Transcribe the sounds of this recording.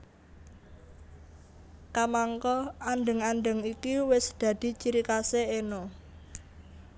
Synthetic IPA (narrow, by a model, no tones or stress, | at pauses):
kamaŋkɔanɖə̤ŋanɳɖəŋikiwɪsd̪̥ä̤d̪̥i̤t͡ʃiɾikaseenɔ